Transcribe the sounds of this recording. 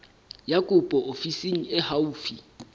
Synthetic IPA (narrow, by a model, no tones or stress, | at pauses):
jakʼʊpʼɔʔofisiŋ̩ɪhauːfi